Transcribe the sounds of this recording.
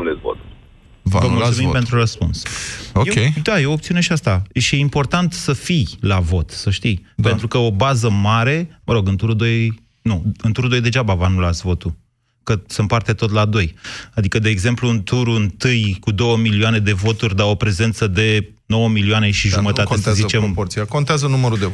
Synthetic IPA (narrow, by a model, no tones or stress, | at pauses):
ulesvo̰t̪u̥ | va̰vəmulsumimpe̞nt̪ɾuɾəspṵnsojekejd̪ajeoop̚t̪siune̞ʃiast̪aʃijeimpo̞rt̪ant̪səfijlavo̞t̪səʃt̪ijpet̪ɾukəo̞bazəmaɾe̞məɾo̞ɡɨnt̪uɾud̪o̞j | nuɨnt̪uɾud̪o̞jd̪e̞d͡ʒabavanulat̪sʲvo̞t̪u | kəsəmpart̪e̞t̪o̞t̪lad̪o̞jad̪ikəd̪e̞ːɡze̞mplunt̪uɾuɨnt̪ɨjkud̪o̞wəmilioane̞d̪e̞vo̞t̪urʲd̪aopɾe̞ze̞nt̪səd̪e̞ | no̞wəmilioane̞ʃiʒumət̪at̪eszit͡ʃempoɾsiakont̪eazənuməɾud̪e